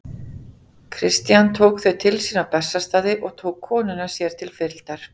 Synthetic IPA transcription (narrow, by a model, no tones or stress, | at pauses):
kʰɾɪst̪jant̪ʰoːwkθœɥt̪ʰɪlsiːnapɛsːast̪aːðɪʔɔɣt̪ʰoːwkʰːɔːnʏnḁsjɛɾ̥t̪ʰɪlfɪɾlt̪aɾ̥